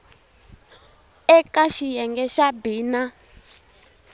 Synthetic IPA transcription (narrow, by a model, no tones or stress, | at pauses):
ɛkaʃijɛŋɡɛʃabiːna